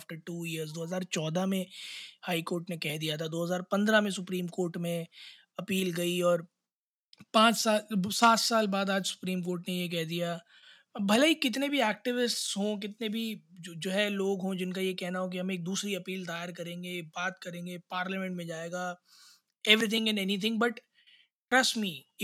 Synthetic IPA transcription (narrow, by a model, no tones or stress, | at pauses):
afʈəɾʈuːiəɾzd̪oːɦɐzaːɾt͡ʃɔːd̪ʱamẽhaːɪkoːɾʈnekɛɦd̪ijat̪ʰad̪oːɦɐzaːɾpɐ̃nd̪ɾamẽsʊpɾiːmkoːɾʈmẽ | ɐpiːlɡɐiɔːɾ | pãːt͡ʃsaːlsaːt̪saːlbaːd̪aːd͡ʒsʊ̥pɾiːmkoːɾʈnejek̬ɛɦd̪ija | bʱɐlaikɪt̪nebʱiɛːk̚ʈɪʋɪsʈsɦõk̬ɪt̪nebʱid͡ʒoːɦɛloːɡɦõd͡ʒɪnkajekɛɦnaɦõk̬iɦɐmeːk̚d̪uːsɾiɐpiːld̪aːɪɾkɐɾẽːŋɡebaːt̪kɐɾẽːŋɡepaːɾlamɛ̃ɳʈmẽd͡ʒaːeːɡaː | ɛʋɾit̪ʰɪ̃ŋɡɛ̃nɛnit̪ʰɪ̃ŋɡbɐʈ | ʈɾɐsmi